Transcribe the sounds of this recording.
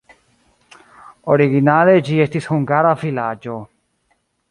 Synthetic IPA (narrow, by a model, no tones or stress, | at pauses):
oɾiɣinaled͡ʒiest̪ishuŋɡaɾafilad͡ʒo